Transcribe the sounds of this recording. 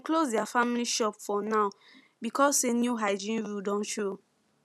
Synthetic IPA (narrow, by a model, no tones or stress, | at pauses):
aklosdɛafamiliʃɔpfɔ̃naʊ | bikɔsenjuɦaɪd͡ʒĩnɹudɔ̃nt͡ʃo